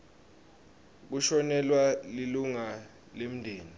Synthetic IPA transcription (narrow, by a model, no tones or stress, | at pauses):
k̬uʃɔnɛlwaliluŋa | lem̩ndʱeːni